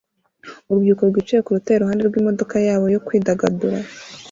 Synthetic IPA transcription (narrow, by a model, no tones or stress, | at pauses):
uɾubjuːkoɾɡwiːt͡ʃejekuɾutajeɾuhaːnde̞ɾɡwiːmo̞do̞kajaːβo̞jo̞kwiːdaɡaduɾa